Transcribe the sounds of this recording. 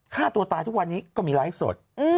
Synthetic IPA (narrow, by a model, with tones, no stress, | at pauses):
kʰaː˥˩t̪u˧ɐt̪aː˧t̪ʰu˦˥k̚wa˧nːiː˦˥kɔː˥˩miː˧la˦˥jf̚so̰˨˩t̪̚ʔɯ˧